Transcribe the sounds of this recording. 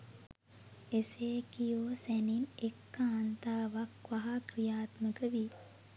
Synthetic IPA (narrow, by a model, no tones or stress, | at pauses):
eseːkijoːsɛninekːaːnt̪aːʋakʋaɦakɾijaːt̪məɡəʋi